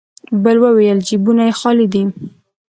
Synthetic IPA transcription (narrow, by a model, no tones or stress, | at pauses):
bəlwəwejəld͡ʒibunajexɑlid̪im